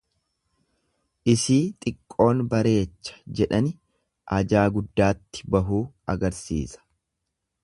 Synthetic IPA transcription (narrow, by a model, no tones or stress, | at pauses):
ʔɪsiːt̪ʼɪkʼːo̞ːnbɐɾe̞ːt͡ʃːɐ̥d͡ʒɛᶑɐnɪ | ʔɐd͡ʒaːɡʊd̪ːaːt̪ːɪ̥bɐɦuː | ɐɡɐɾsḭːsɐ̥